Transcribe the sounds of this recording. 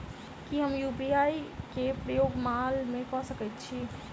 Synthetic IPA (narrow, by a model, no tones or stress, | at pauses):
kiɦəmjuːpiaːikepɾəjoːɡmalmẽkɔɦsəkət̪t͡ʃʰi